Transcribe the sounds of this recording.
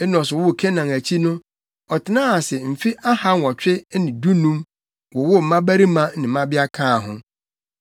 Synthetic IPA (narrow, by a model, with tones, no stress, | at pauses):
ɛ˦nɔ̃˨sʊ˨wʊ˦˨kʰɛ˦nã˨ŋæ˨t͡ɕʰi˦nʊ̃˦ | ɔ˨tʰɪ˨nãː˦a˨sɛ˨m̩˨fi˦ʔa˦ha˦ŋ˨ɔ˨t͡ɕᶣɪ˦nɪ̃˨du˦nũ˦m | wɔ˨wʊ˦m̩˨mã˦bæ˦ɾi˦mã˦nɪ̃˨m̩˦mã˦bɪ˦a˦kʰãː˦˨ɦʊ̰̃˦